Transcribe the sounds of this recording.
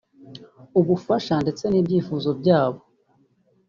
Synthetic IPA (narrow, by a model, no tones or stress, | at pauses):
uβufaʃande̞t͡se̞niːbɟiːfuːzo̞bɟaːβo